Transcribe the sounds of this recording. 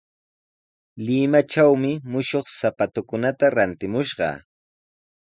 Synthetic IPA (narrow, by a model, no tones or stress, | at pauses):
lɪmat͡ʃawmɪmʊʃoχsapat̪ʊkʊnat̪aɾant̪ɪmʊʃɢɑ̰